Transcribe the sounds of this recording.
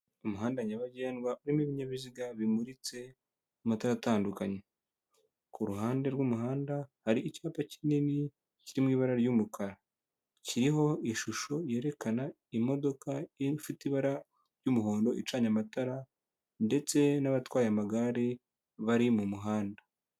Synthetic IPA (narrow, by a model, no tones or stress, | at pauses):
omuɦaːndaɲaβaɟe̞ːnɡwaʔuɾimiβiɲaβiziɡaβimuɾit͡se̞ | umataɾataːndukaɲe | kuɾuɦaːnde̞ɾwuːmuɦaːndahaɾiːcaːpacinini | ciɾimwiːβaɾaɾjumukʰaɾa | ciɾiɦo̞iʃuʃo̞je̞ːɾe̞kana | imo̞do̞kafitiβaɾa | ɾjuːmuɦo̞ːndo̞ʔit͡ʃaːɲamataɾa | nde̞t͡se̞naβatwaːjamaɡaɾe | βaɾimumuɦaːnda